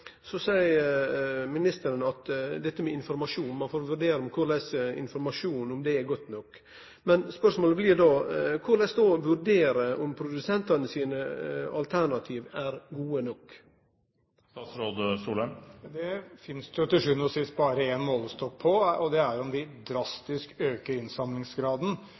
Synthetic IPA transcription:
sɔsæɪ | mɪnɪst̪əɾənɑt̪d̪ɛt̪ːəmɛɪnfɔɾmɑʂuːnmɑnfoːɾʋʉɾɖeːɾəɔmkʰʊɾleːsəɪ̰nfɔɾmɑʂuːnʊmd̪ɛɛɡɔt̪ːnɔkː | mɛnspœʂmoːləblɪd̪oːkʰʊlɛsd̪oːʋʉɾɖeːɾəʔɔmpʰɾʊd̪ʉsɛnt̪ɑnəsiːnəɑlt̪ʰæɾɳɑt̪ʰiːʋæɾɡuːənɔkː | ɑsɾoːd̪suːlənd̪ɛfɪnst̪ʊt̪ɪʂʉnɔsɪst̪̚bɑːɾəeːnmoːlst̪ɔk̚pʰɔɔd̪ɛæɾʊmd̪ɪd̪ɾɑst̪ɪskøːkəɾɪnsɑmlɪŋsɡɾɑːd̪ən̩

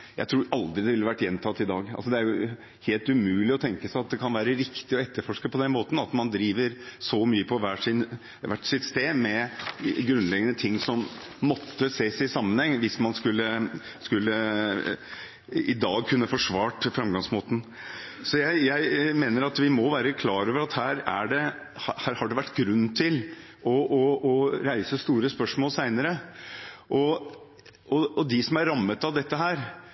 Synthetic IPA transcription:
jæ̰ɪt̪ʰɾuːɾɑld̪ɾɪd̪ɛʋɪlːəʋæʈːjɛnt̪ʰɑt̪ːɪd̪ɑːɡɑ̰lsɔd̪ɛæɾjʊ | heːlt̪ʉmʉːlɪɔt̪ʰɛŋkəsæɪɑt̪̚d̪ɛkʰɑnʋæːɾəɾɪkt̪ɪɔɛt̪ːəɾfɔʂkəpɔd̪ɛnmoːt̪n̩ɑt̪mɑnd̪ɾiːʋəɾsɔmyːəpʰɔʋæːʂɪn | ʋæʈːsɪt̪st̪eːmɛɡɾʉnlɛɡənət̪ʰɪŋːsɔmː | ɔt̪ʰːəseːsæsɑmːənhɛŋːʋɪsmɑnskʉlːəskʉlːə | ɪd̪ɑːɡ̚kʰʉnːəfɔʂʋɑːʈfɾɛmɡɑŋsmoːt̪n̩ | sɔjæɪjæɪmeːnəɾɑt̪ʋɪmɔʋæːɾəkʰlɑːɾoːʋəɾɑt̪hæːɾæɖɛ | hhæːɾhɑɖɛʋæʈːɡɾʉnːt̪ʰɪl | ʔɔʔɔɔɾæɪsəst̪uːɾəspœʂmoːlsæɪnəɾə | ʔɔ | ʔɔɔd̪ɪsɔmæɾɑmːət̪ɑʋd̪ɛt̪ːəɦæːɾ

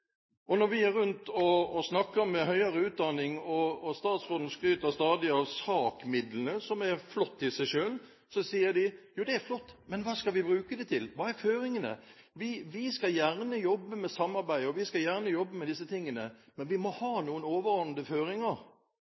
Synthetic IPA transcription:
ʔɔnɔɾʋɪæɾːʉnt̪ʰɔːsnɑkːəmːɛɦœʏəɾəʉːt̪̚d̪ɑnɪŋɔːst̪ɑːt̪sʁoːd̪n̩skɾyːt̪əst̪ɑːd̪ɪɑʋsɑːkmɪd̪lən̩əsɔmæɾflɔt̪ʰːɪsæɪʂøːl | sɔsiːəɾd̪ɪjuːd̪ɛæɾflɔt̪ːmɛnʋɑːskɑʋɪbɾʉːkəd̪ɛt̪ʰɪlʋɑːæɾføːɾɪŋənə̰ | ʋɪʋɪskɑjæʁnəjɔbːəmɛsɑmːɑɾbæɪɔʋɪskɑjæʁnəjɔbːəmɛd̪ɪs̬ːət̪ʰɪŋːənəmɛnʋɪmɔhɑːnuːənoːʋəʁɔn̩d̪əføːɾɪŋəɾ

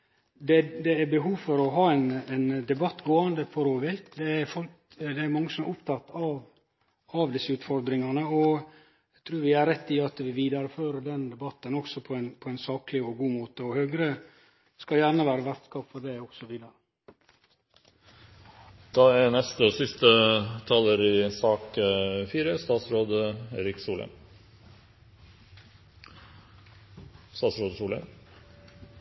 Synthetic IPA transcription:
d̪ɛd̪ɛæbəɦuːfɔɾɔɦɑːɛnɛnd̪ɛbɑt̪ːɡoːɑnd̪əpʰɔɾoːʋɪt̪d̪ɛæɾfɔl | d̪ɛæɾmɑŋːəsɔmæɾʊpt̪ʰɑt̪ːɑʋ | ɑʋd̪ɪsːəʉːt̪fɔɾd̪ɾɪŋɑnəɔ | æt̪ʰɾʉːɾʋɪæɾɾɛt̪ːɪɑt̪ʋɪʋiːd̪ɑɾəføːɾəd̪ɛnd̪ɛbɑt̪ːənɔksɔpʰɔɛnpʰɔɛɪnsɑːklɪɔɡuːmoːt̪əɔhøːɡɾə | skɑjæːɾnəʋæːɾəʋæɾt̪skɑpfɔɖ̪ɛɔksɔʋiːd̪əɾə | d̪̥ɑːænɛst̪əsɪst̪ət̪ʰɑləɾɪsɑːkfiːɾəst̪ɑːt̪sɾoːd̪eːɾɪksuːlə̰m | st̪ɑːt̪sɾoːd̪suːlə̰m

